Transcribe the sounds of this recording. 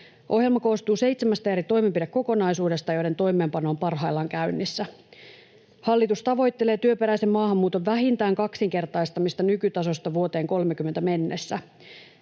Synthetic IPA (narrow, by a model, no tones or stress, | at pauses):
ʔo̞hɦjelmɑko̞ːst̪uːse̞jt̪semæst̪æjæɾit̪o̞jmempidekːo̞ko̞nɑjsuːde̞st̪ɑjo̞jdet̪o̞jme̞ːmpɑno̞ːmpɑrɦɑjlːɑŋkæynːisːæ | hɑlːit̪ust̪ɑʋo̞jt̪ːele̞ːt̪yøpe̞ɾæjsemːɑːhɑmːuːt̪o̞ʋːæɦint̪æːŋkɑksiŋke̞rt̪ɑjst̪ɑmist̪ɑnykyt̪ɑso̞st̪ɑʋuo̞t̪e̞ːŋko̞lmek̟ymːent̪æme̞nːesːæ